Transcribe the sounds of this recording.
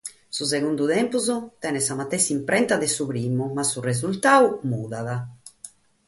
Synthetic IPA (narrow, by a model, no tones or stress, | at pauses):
sus̬eɣund̪uðɛmpuzot̪ɛnɛsamat̪ɛsimpɾɛnt̪aðesuβɾimumasːurez̬ult̪awmuðaða